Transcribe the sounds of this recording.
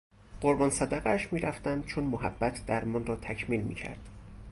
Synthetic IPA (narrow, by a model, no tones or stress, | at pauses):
ɢoɾbɒːnsæd̪æɣææʃmiːɾæft̪ænd̪̚t͡ʃʰonmoɦæbːæt̪ʰd̪æɾmɒːnrɒːt̪ʰæcʰmiːlmḭːcʰæ̰ɾd̪̥